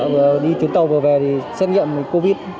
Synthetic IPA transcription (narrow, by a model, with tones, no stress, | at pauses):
və˨˩ɗi˧t͡ɕ̪i˨˦nt̪ə˧wvəː˨˩vɛ˨˩t̪ʰi˨˩sa˦˥t̚ŋḭ˧˨əm˨˩ko˧vi˦˥t̚